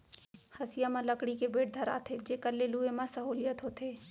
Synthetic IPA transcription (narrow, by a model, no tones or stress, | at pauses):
hɐsɪjamãlɐkɽikebeːʈ̚d̪ʱɐɾa̰ːt̪ʰed͡ʒeːkəɾleluːemãsɐɦoːlijət̪ɦot̪ʰeː